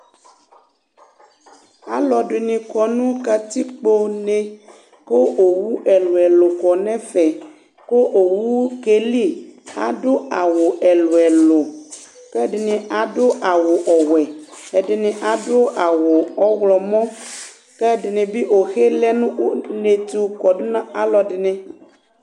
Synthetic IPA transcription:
a̰˦lɔ˨ɖe˨nĩ˨kɔ˨nũ˦ka˨t̪i˦k͡po˦nẽ˦ | ko˦ʔo˨wu˦ʔɛ˨lo˨ɛ˨lo˨kɔ˨nɛ̃˦fɛ˨ | ko˦ʔo˨wu˦ke˦li˦a̰˨ɖo˦a˨wo˨ʔɛ˨lo˨ɛ˨lo˨ | ke˦ɖɪ˨nĩ˨a˨ɖo˦ʔa˨wo˨ʔɔ˨wɛ˨e˨ɖɪ˨nĩ˨ʔa˨do˦ʔa˨wo˨ɔ˦wlɔ˨mɔ̃˦ | kɛ˦ɖɪ˨nĩ˨bi˦o˨xe˦lɛ˦nũ˦ne˨t̪u˦kɔ˨do˦nã˦a˦lɔ˨ɖɪ˨nĩ˦

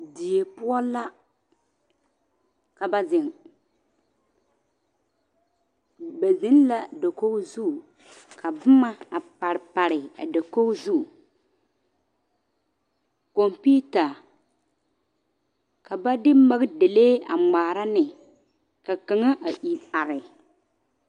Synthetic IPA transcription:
di˨je˨pʊ˦ɔ˦la˦ | ka˨ba˦zɪ˨ŋ | ba˨zɪ˦n˦la˦da˨ko˦zu˦˨ | kʰa˨bʊ˦ma˦a˨pa˨ɾɪ˨pa˨ɾɪ˨a̰˨da˨ko˦zu˦˨ | ko˨mpi˦ta˨ | ka˨ba˦dɪ˦ma˦ɣɪ˦de˨leː˦a̰˨ŋ͡maː˨ɾa˦nɪ˨ | ka˨ka˨ŋa˦ʔa˨ʔi˨a˨ɾɪ˨

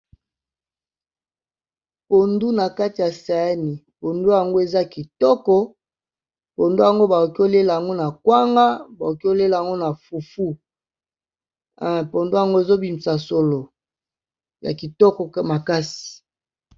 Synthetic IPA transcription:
po˨ndu˦na˨ka˦ti˨ja˨sa˨ja˦ni˨po˨ndu˦ja˨ŋɡo˦e˨za˦ki˨tɔ˦kɔ˦ | po˨ndu˦a˨ŋɡo˦ba˨o˨ki˦o˦le˦la˨a˨ŋɡo˦na˨kwa˦ŋɡa˦ba˨o˨ki˦o˦le˦la˨a˨ŋɡo˦na˨fu˨fu˦˨ | po˨ndu˦a˨ŋɡo˦e˨zo˦bi˨mi˨sa˨so˨lo˨ | ja̰˨ki˨tɔ˦kɔ˨ma˨ka˦si̥˨

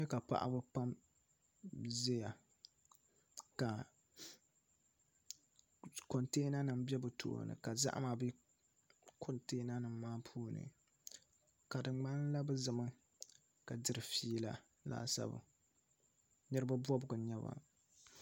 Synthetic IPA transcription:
ɲɛ˦ka˨pa̰˦ʔa̰˦bɨ˦pa˦m | ze˦ja˨ | ka˨ | ko˨nteː˦na˦nɨ˨mbɛ˦bɨ˨tʰo̰˨nɨ̰˨ka˨za̰˦ʔma˨bɨ˦ | kʰo˦˨nteː˦na˦nɨ˨mːaː˦pʰuː˦˨nɨ̰˨ | ka˨dɨ˨ŋ͡mɡ͡ba˦n˦la˦bɨ˦zɨ˨mɨ˦ | ka˨dɨ˦ɾɨ˨fiː˦la̰˨ | la̰ː˦sa̰˦bɨ̰˨ | nɛ˦ɾɨ˦ba˦bɔ˦bʊ˨ɡʊ˨ɲɛ˦ba̰˨

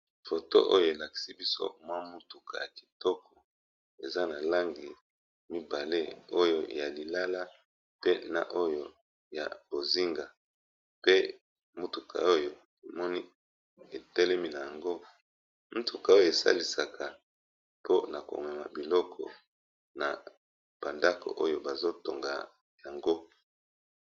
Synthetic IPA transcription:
fo˨to̰˦ʔo̰˦jo˦˨e˨la˨ki̥˨si˦bi˦so̰˦mwa˦mu˦tu˨kʰa̰˨ja˨ki̥˨tɔ˦kɔ˨ | e˨za˦na˨la˦ŋɡi˨ | mi˦ba˨le˦o˦jo˦ja˨li˨la˦la˦ | pe˦na̰˨ʔo˦jo˦ | ja̰˨bo˨zi˦ŋɡa˨ | pe˦ | mu˦tu˨kʰa̰˨o˦jo˨ | e˨mɔ˦ni˦ | e˨tɛ˦lɛ˦mi˨na˨ja˨ŋɡo˦ | mu˦tu˨ka˨o˦jo˦˨e˨sa̰˦li˨sa˨kʰa˨ | po˦na˨ko̰˨ŋa˨ma̰˨bi˨lɔ˦kʰɔ̰˨ | na̰˨ | b̥a˨nda˦ko̰˨ʔo˦jo˦ba˨zo˦to˨ŋɡa̰˨ | ja˨ŋɡo˦

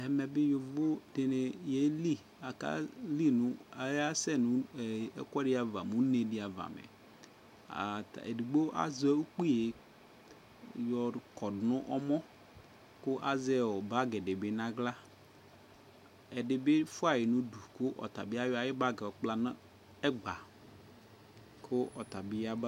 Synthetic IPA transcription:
ɛ˨mɛ˨bɪ˦jo˨vo˦dɪ˨ne˨je˦li˦ | a˨ka̰˦li˦nʊ̃˦a˨ja˦sɛ˦nũ˦˨ɛ̰˦kɔ˦ɖɪ˦a˨va˨mũ˦ne˨dɪ˨a˨va̰˨mḛ˨ | ta̰˨ḛ˨du˨ɡ͡bo˦ʔa̰˦zɛ˦u˦k͡pi˦je˨ | jɔ˨kɔ˨dnʊ̃˦ʔɔ˦mɔ̃˦ | kʊ˦ʔa˦zɛ˦˨ɔ˨ba˦ɡɛ˨de˨be˨˦nã˦ɡla˦ | ɛ˨ɖe˨be˦fʊ˦a˨je˨nũ˦du˨kʊ˦ʔɔ̰˨t̪a˨bi˦a˦jɔ˦a˨jɪ˦ba˦ɡɛ˨k͡pla˨nã˦ | ɛ˦ɡ͡ba˨ | kʰʊ˦ʔɔ˨t̪a˨bɪ˦ja˦b

